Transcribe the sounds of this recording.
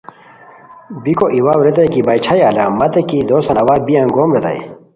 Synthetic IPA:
bikoʔiwaːwɾet̪ɐjkibɐjt͡ɕʰajaːlamɐt̪ekid̪oːsɐnɐwaːbijãnɡoːmɾet̪ɐ̰j̰

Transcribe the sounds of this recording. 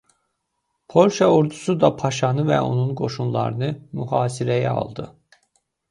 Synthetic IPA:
pʰo̞lʲʃɑoɾd̪usud̪ɑpʰɑʃɑnɯvɛ̰o̞̰nunɡo̞ʃunlˠɑ̰ɾɯnɯmyhɑːsiɾæjæɑ̰lˠd̪ɯ

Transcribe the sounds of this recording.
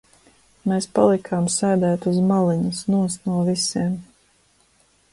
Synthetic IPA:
meːspa̰lˠikʰaːmsɛjd̪æːt̪uzmalˠiɲusnuɔsnuɔvisiɛm

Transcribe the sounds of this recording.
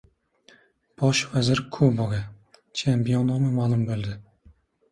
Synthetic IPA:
b̥ɒʃvazɪɾkʰubɒɡa | t͡ʃʰempijonɒmɪmaːlˠʊmbold̪ɪ

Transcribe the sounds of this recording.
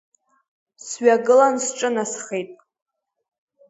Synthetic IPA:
sɥaɡɨlansʈ͡ʂʼɨnasχejtʼ

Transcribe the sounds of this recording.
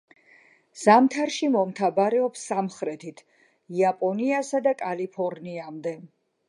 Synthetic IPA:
z̥amt̪ʰaɾʃimɔmt̪ʰabaɾɛɔpsːamχɾɛt̪ʰit̪ʰ | iapʼɔniasad̪akʼalipʰɔɾniamd̪ɛ

